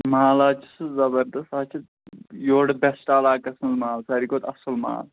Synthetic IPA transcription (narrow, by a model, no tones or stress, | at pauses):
maːlaːt͡ʃʰi̥szɐbɐɾd̪ɐst̪aːt͡ʃʰit̪ | joːɽbɛsʈalaːkɐsɐnzmaːlsaːɾikoːt̪ɐsɐlma̰ːl